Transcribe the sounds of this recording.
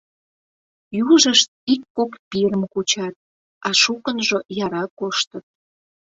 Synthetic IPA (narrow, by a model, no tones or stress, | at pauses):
juʒəʃt̪̚ikːokpiɾəmkut͡ɕɑt̪̚ | ɑʃukənʒojɑɾɑkoʃt̪ət̪̚